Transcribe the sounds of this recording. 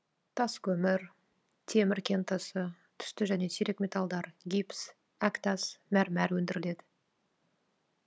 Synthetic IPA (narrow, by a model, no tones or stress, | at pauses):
t̪ʰɑskʲʰɵmɪɾ | t̪ʰe̞mɪɾkʲʰe̞nt̪ʰəsə | t̪ʰʏ̥st̪ɪʒæne̞siɾe̞kmʲe̞t̪ɑlˠd̪ɑɾɡʲips | ækt̪ɑsmæɾmæɾwɵnd̪ɪɾɪle̞d̪ɪ